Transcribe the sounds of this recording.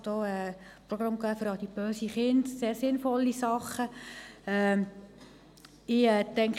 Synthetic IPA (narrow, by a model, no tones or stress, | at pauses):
d̥oːɛ | proɡrɑmɡæːfʏɾɑd̥ib̥øːsiχɪndseːɾsɪnfɔlːisɑχːəɛː | ɪɛːtɛŋk